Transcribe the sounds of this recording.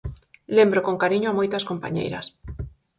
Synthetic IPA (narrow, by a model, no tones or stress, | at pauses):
lembɾokoŋkaɾiɲoamojt̪askompa̰ɲḛjɾɐ̰s